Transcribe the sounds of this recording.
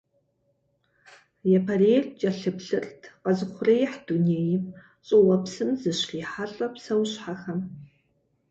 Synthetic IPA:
jɛpʰɐrejrt͡ʃʼɐɬɨpɬɨrtʰqɐzɨχʷʊrɐjɪħduneːjɪ | ɕʼowɐpsɨmzɨɕriːħaɬʼɐpsɐwɕħaxɐm

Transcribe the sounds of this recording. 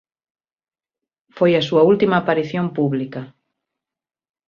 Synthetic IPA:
fojɐsuɐult̪imɐːpaɾiθjompuβlikɐ

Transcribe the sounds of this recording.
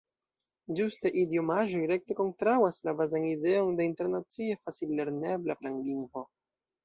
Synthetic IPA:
d͡ʒustajʔidjo̞maʒo̞jɾe̞k̚te̞ko̞ntɾawaslabazanide̞o̞nde̞inte̞ɾnat͡sie̞fasilːe̞ɾne̞blaplaŋliŋɡvo̞

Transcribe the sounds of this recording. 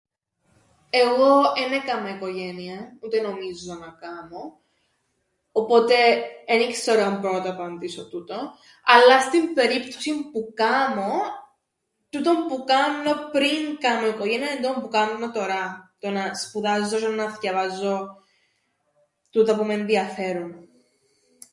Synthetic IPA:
e̞ɣo̞enekɐmoiko̞ʝeniɐut̪eno̞mizːonɐkɐmo | po̞t̪e̞enikseɾoɐmpɾo̞t̪oepɐnd̪isot̪ut̪o | ɐlːɐst̪imbe̞ɾipt̪osimpukɐmo̞ | t̪ut̪o̞mpukɐnːo̞pɾiŋkɐmo̞ikoʝeniɐnut̪ompukɐnːo̞t̪o̞ɾɐt̪o̞nɐspuðɐzːos̬ennɐscɐvɐzːo̞ | t̪ut̪opumenðiɐfe̞ɾun

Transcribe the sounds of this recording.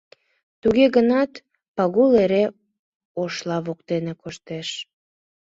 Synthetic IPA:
t̪uɣeɣənɑt̪ | pɑɣuleɾe | oʃlɑβokt̪enekoʃt̪eʃ

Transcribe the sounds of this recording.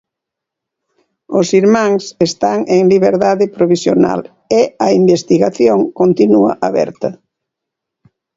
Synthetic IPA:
osiɾmãŋsest̪aŋeŋliβeɾðaðepɾoβ̞isjona̰l | eɐimbest̪iɣaθjoŋkont̪inua̰ʔaβɛ̰ɾt̪ɐ

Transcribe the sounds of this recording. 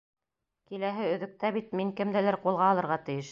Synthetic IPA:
kilæɦɘɵ̆ðɵ̆k̚t̪æβit̪̚miŋkɘ̆md̪ælæɾqulˠʁɑːlˠɤ̆ɾʁɑt̪ɘ̆jɘʃ

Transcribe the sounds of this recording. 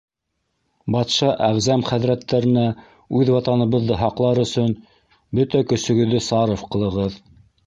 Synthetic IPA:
bɑt̪ʃɑʔæʁzæmχæðɾæt̪ːæɾɘ̆næ | ʉðwɑt̪ɑnɤ̆βɤ̆ðːɤɦɑqlˠɑɾɵ̆sɵn | bɵt̪ækɵ̆sɵ̆ɡɵ̆ðːɘsɑɾofqɤ̆lˠɤ̆ʁɤð

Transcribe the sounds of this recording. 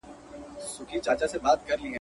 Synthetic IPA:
sʊkʰit͡ʃaːt͡ʃasebaːt̪kɐɾliɛ̃

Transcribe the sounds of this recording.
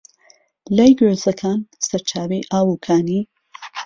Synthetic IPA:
lajɡezɐkʰaːnsɐɾt͡ʃʰaːwejʔaːwukʰaːniː

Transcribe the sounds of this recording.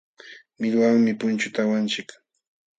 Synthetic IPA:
mɪʎwaŋmɪpʊnt͡ʃʊt̪awant͡ʃɪk

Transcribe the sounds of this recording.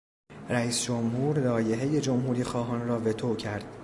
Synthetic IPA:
ræiːsd͡ʒomɦuːɾlɒːje̞ɦe̞je̞d͡ʒo̞mɦuːɾiːxɒːɦɒːnrɒːve̞t̪ʰocʰæɾd̪̥

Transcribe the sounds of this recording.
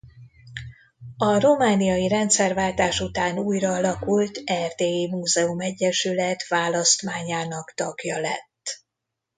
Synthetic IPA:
ɒro̞maːnijɒjiɾɛnt̪sɛrvaːlt̪aːʃut̪aːnuːjrɒːɒlɒkult̪ɛrt̪eːeːmuːzɛumɛɟːɛʃylɛt̪ʋaːlɒst̪maːɲaːnɒkt̪ɒɡjɒlɛ̰t̪ː

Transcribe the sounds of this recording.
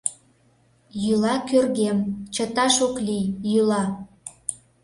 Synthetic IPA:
jylɑkørɣemt͡ɕət̪ɑʃoklijjylɑ

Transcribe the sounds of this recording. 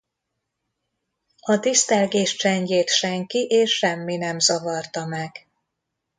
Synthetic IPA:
ɒt̪ist̪ɛːlɡeːʃt͡ʃɛɲɟeːt̪ʃɛŋkiʔeːʃːɛmːinɛmzɒvɒrt̪ɒmɛɡ̥

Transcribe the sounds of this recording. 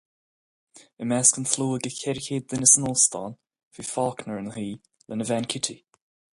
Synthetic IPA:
əmaskənfluːəɡəkʰɛɾkʰeːd̪ːənɪsənɔlst̪ɔ̰n | v̥ifɑːkʰnəɹənhiː | lʔənəvankʰɪtʰi

